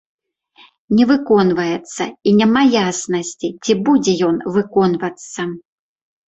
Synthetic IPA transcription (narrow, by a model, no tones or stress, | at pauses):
nʲɛvɨkɔnvɐjɛt̪sːɐinʲamajasnɐsʲt͡sʲit͡sʲibud͡zʲɛjɔnvɨkɔnvɐt̪sːɐ